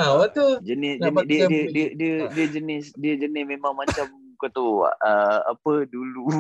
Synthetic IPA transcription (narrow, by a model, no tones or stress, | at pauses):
aat̪ud͡ʒənɪsəndiədiədiədiədiəd͡ʒənɪsdiəd͡ʒənɪsmemaŋmat͡ʃam | kot̪ua̰ʔəa̰pədulu